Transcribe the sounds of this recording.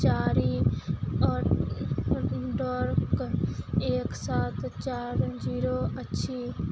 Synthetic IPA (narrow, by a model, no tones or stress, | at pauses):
t͡ʃaːɾiː | ɔːɾ | ɖɔːɾk | eːksaːt̪t͡ʃaːɾd͡ʒiːɾoːətːʃʰiː